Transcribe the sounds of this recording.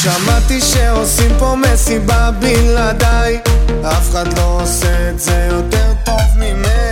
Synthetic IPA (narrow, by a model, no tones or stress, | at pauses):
ʃamat̪iʃeosimpomesibabilad̪aj | afeχad̪lo̞oseːt̪zejotɛʁtovmime